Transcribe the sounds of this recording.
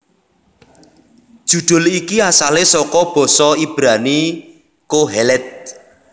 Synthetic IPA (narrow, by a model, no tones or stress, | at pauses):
d̥ʒ̥ṳɖ̪̥ʊ̤likiasalesɔkɔb̥ɔ̤sɔib̥ɾani | koɦɛlɛt̪̚